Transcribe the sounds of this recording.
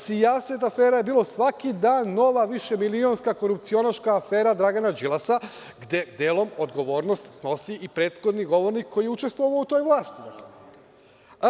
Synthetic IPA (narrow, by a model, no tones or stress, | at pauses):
sijaset̪afe̞ːɾaje̞biːlˠo̞sʋakid̪aːnːo̞ʋaʋiʃe̞milio̞nskako̞ɾup̚t̪sio̞naʃkaːfe̞ːɾad̪ɾaɡanad͡ʒilˠasa | ɡd̪e̞d̪e̞ːlˠo̞mo̞d̪ɡo̞ʋo̞ːɾno̞st̪sno̞siʔipɾe̞ːt̪xo̞d̪niɡo̞ʋo̞ɾnikʰːo̞jijeut͡ʃe̞st̪ʋo̞ʋaout̪ojʋlˠaːst̪i